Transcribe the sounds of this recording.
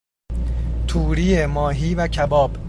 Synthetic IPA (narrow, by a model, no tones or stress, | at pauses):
t̪ʰuːɾijemɒːɦiːvæcʰæbɒːb